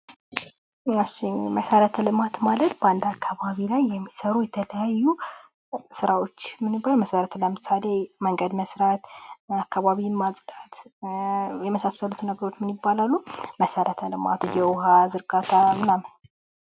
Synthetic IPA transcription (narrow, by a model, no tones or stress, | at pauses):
ɨsiməsəɾət̪ʰəlɨmat̪malət̪bəand̪akʰːaβaβilajːɛmːisəɾujɛt̪ʰələjajːu | sɨɾawo̞t͡ʃːmɨnɨbːalməsəɾət̪ʰləmɨsaleməŋɡəd̪məsɾat̪akːaβaβimasʼdat̪ | jɛməsasːəlut̪nəɡəɾo̞t͡ʃːmɨnibːalalːuməsəɾʔət̪ʰəlɨma̰t̪jɛwhazɨɾɡat̪ʰamɨnamn